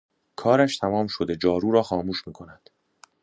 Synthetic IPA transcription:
kʰɒːɾæʃt̪ʰæmɒːmʃod̪e̞d͡ʒɒːɾuːɾɒːxɒːmuːʃmiːkʰo̞næd̪̥

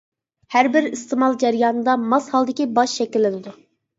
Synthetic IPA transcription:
hæɾbɪɾist̪ʰɨmɑlˠd͡ʒɛɾjɑːnɨd̪ɑmɑshɑlˠd̪ɪkʲibɑʃʃɛkʲilːɪnɪd̪u

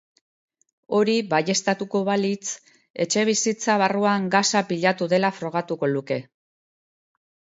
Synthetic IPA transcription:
o̞ɾiβaje̞st̪at̪uko̞βalit͡s | e̞̰t͡ʃe̞β̞isit͡saβ̞aruaŋɡasapiʎat̪uðe̞lafɾo̞ɣ̞at̪uko̞luke̞

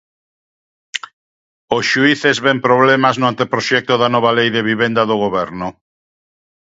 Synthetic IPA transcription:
oʃuiθezβɛmpɾoβlɛmaznʊant̪epɾoʃɛk̚t̪oðanɔβ̞alejðeβiβend̪ɐðoɣ̞oβɛɾnʊ

